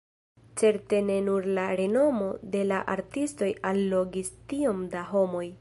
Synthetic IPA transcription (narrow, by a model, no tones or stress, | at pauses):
t͡se̞ɾte̞ne̞nuɾlaɾe̞no̞mo̞de̞laʔaɾtisto̞jalːo̞ɡistio̞mdaɦo̞mo̞j